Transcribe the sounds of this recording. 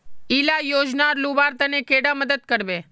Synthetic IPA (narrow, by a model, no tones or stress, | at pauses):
ilajoːd͡ʒnaɾlubaɾt̪ənekeɽaməd̪əd̪̚kəɾbe